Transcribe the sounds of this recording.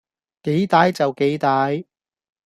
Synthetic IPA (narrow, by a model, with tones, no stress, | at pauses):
ke˨˥jt̪aː˨˥jt͡sɐ˨wke˨˥jt̪aː˨˥j